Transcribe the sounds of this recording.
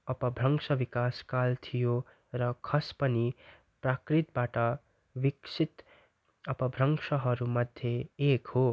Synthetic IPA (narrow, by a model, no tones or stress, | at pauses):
ʌpʌbʱrʌŋsʌbikaskalt̪ʰijo | rʌkʰʌspʌni | prakrit̪baʈʌ | biksʰit̪ | ʌpʌbʱrʌŋsʌɦʌɾumʌd̪ʱjeekɦo